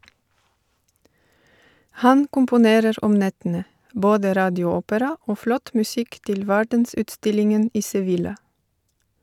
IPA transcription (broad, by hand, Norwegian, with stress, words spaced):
ˈhɑn kʊmpʊˈneːɾəɾ ˈɔm ˈnɛtənə ˈboːdə ˈɾɑːdɪˌuːʊˌoːpəɾɑ ˈoː ˈflɔt mʉˈsɪk ˈtɪl ˈʋæɖənˌsʉːtˌstɪlɪŋən ˈʔiː sɛˈʋɪlɑ